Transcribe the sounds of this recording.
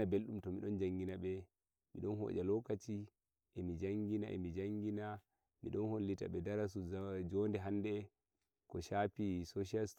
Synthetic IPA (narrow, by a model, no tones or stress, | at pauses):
abelɗumtɔmiɗɔnd͡ʒaŋɡinaɓɛ | mḭɗɔnɦɔ̰ːd͡ʒalɔkat͡ʃi | ʔɛmid͡ʒaŋɡinaʔɛ̰mid͡ʒaŋɡina | mḭɗɔnholːita̰ɓɛdaɾas̬ud͡ʒɔndɛɦanːdɛ | kɔʃapisoʃas